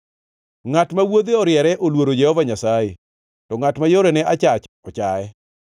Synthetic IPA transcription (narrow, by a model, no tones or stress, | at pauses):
ŋatmawod̪eɔɾjɛɾɛʔolwoɾod͡ʒɛhɔvaɲasaje | tɔŋatmajoɾɛnɛat͡ʃat͡ʃɔt͡ʃaɛ